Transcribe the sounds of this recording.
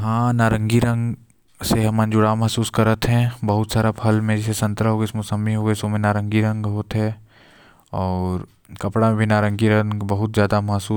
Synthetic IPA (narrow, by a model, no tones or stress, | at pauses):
ɦãːnaːɾə̃ŋɡiɾɐ̃ŋɡ | seɦɐmənd͡ʒʊɽamɐɦsuːskɐɾət̪ɦɛ̃bɐɦʊt̪saːɾapʰɐlmẽd͡ʒɪsesɐ̃nt̪ɾəɦoːɡeɪsmʊsəmiɦoːɡəsomẽnaːɾə̃ŋɡiɾɐ̃ŋɡɦoːt̪ɦɛ | ɔːɾ | kɐpɽamẽbʱinaːɾə̃ŋɡiɾɐ̃ŋɡbɐɦʊt̪zjaːd̪amɐɦsuː